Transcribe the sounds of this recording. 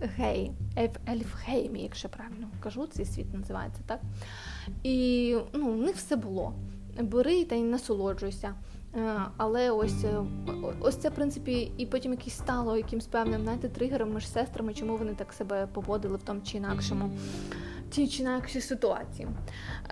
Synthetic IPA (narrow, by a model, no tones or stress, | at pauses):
ɦɛjɛfɛlʲfhɛjmʲḭjɐ̰kʃt͡ʃɛpɾɑʋʲɪlʲnɔkɐʒut̪sɛjsʲʋʲḭt̪nɐzɪʋɑ̰jet͡sʲːɐ̥t̪ɑk̚ | inunɪxwsɛbʊlˠɔ̰ | bɪɾɪt̪ɐnɐsʊlˠɔd͡ʒʊjesʲɐ | ɐlˠɛɔsʲɔɔsʲt̪ɛfpɾɪnsɪ̥pʲiːpɔtʲimjɐkʲɛsʲst̪ɑlˠɔjɐkʲɪmsʲpɛwnɪmznajt̪ɛt̪ɾɪɦɛɾɔmːɪʂsɛst̪ɾɐmɪt͡ʃɔmuʋɔnɪt̪ɑksɛbɛpɔʋɔd̪ɪlˠɪwt̪ɔmʊt͡ʃɪinɑkʃɔmʊ | t͡sʲit͡ʃɪinɑkʃʲisɪt̪ʊɑ̰t͡sʲḭjḭ